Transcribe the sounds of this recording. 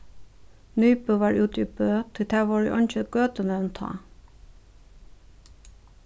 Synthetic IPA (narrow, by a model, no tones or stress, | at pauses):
nyːpəʋɑɹʉːt̪ypøːt̪ʰɪt̪ʰæːʋɔɹḭʔɔ̰nt͡ʃəɡ̥øːt̪ənɛnt̪ʰɑ̰ː